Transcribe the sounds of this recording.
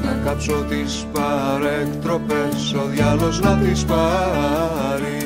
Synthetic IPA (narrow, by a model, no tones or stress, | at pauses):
mekɐpsot̪ispɐɾekt̪ɾo̞pesoðʝɐlo̞znɐt̪ispɐ | ɾi